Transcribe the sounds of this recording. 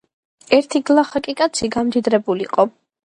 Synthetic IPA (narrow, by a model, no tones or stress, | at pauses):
ɛɾt̪ʰiɡlˠaχakʼikʼat̪sʰiɡamd̪id̪ɾɛbulḭqʼɔ